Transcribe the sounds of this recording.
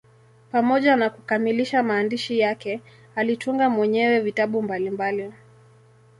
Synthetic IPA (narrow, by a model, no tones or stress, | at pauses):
pamɔʄanakukamiliʃamaːndiʃijakɛ | alituŋɡamwɛɲɛwɛvitaɓumbalimbali